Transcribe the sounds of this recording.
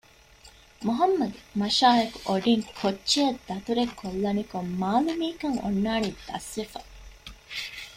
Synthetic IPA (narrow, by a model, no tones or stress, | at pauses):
muɦɐmːɐɡemɐʃaːɦɐkuʔoɖiŋkʰotːt͡ʃːejɐd̪ːɐt̪uɾekʰːolːɐnikomːaːlimiːkɐŋo̰nːaːnid̪ɐ̰sʋefɐ